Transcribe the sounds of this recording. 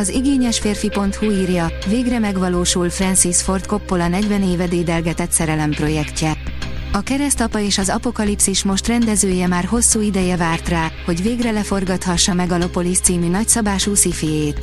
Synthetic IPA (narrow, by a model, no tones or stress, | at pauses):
ɒziɡeːɲɛʃfeːrfipo̞nt̪huiːrjɒveːɡrɛmɛɡʋɒloːʃulfrɛnsisfo̞rt̪ko̞pːolɒnɛɟvɛneːvɛd̪eːd̪ɛlɡɛt̪ɛt̪sɛɾɛlɛmpro̞jɛkcɛɒkɛɾɛst̪ɒpɒeːʃɒzɒpo̞kɒlipsiʃmo̞ʃt̪rɛnd̪ɛzøːjɛmaːrɦo̞sːuːid̪ɛjɛvaːrt̪raːho̞ɟveːɡrɛlɛfo̞rɡɒt̪hɒʃːɒmɛɡɒlo̞po̞list̪siːmynɒcsɒbaːʃuːsifijeːt̪